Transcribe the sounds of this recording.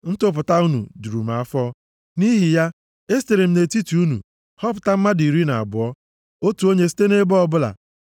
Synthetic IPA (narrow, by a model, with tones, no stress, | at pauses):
n̩˦tʊ˦p̬ʊ˨ta˦u˦nṵ˨du˨ɾu˨ma˨a˦fɔ˦ | ni˦ɦi˨ja˦ | e˦ste˨ɾe˨m̩˦ne˨ti˦ti˨u˦nṵ˨ | hɔ˦p̬ʊ̥˨ta˦m̩˦ma˦di˨ɾi˦na̰˨a̰˨bʊ˨ɔ˦ | o˦tu˨o˦ɲe˦si̥˦te˦ne˦bɔ˦ɔ˦bʊ˦la̰˨